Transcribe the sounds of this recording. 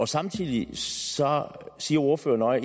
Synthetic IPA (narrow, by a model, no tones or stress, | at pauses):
ɒ̽sɑ̈mt͡sʰḭð̰ˠisɒsiːɐo̝ɐfø̰ːɐnɒ̽ɪ